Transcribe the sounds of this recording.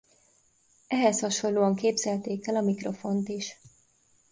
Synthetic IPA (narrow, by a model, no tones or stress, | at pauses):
ɛɦɛshɒʃo̞nloːɒŋkeːbzɛlt̪eːkɛlɒmikro̞fo̞nt̪iʃ